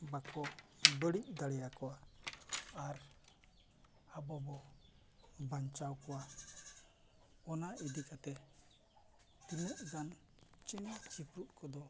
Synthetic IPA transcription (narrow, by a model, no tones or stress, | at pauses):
bakɔbəɽiʔ̚d̪aɽɛjakɔwa | aɾ | abɔbɔ | bant͡ʃawkɔwa | ɔnaid̪ikat̪ɛ | t̪inəʔ̚ɡan | t͡ʃɛnat͡ʃipɾuʔ̪̚kʰɔd̪ɔ